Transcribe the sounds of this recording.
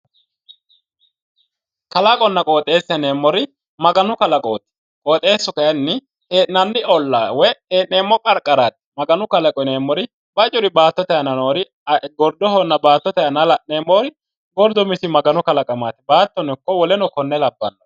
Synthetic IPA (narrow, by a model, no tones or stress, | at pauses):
kɐlɐkʼɔnːɐkʼoːt̪ʼe̞ːsːɛneːmːɔɾɪ | mɐɡɐnʊkɐlɐkʼoːt̪ɪ̥ | kʼoːt̪ʼe̞ːsːɔkɐjɐnːɪ | eːʔnɐnːɪɔlːawɛheːʔneːmːɔkʼɐɾkʼɐɾaːt̪̚mɐɡɐnʊkɐlɐkʼɔneːmːɔɾɪ | b̥ɐt͡ʃʼʊɾɪbaːt̪ːɔt̪ɛɐnɐnoːɾɪ | ɡɔɾd̪ɔhɔnːɐbaːt̪ːɔt̪ɛɐnɐlɐʔneːmːoːɾɪ | ɡɔɾd̪ɔmɪsɪmɐɡɐnʊkɐlɐkʼɐmaːt̪ɪbaːt̪ːɔnɛkːɔwɔlɛnɔkɔnːɛlɐbːɐnːɔ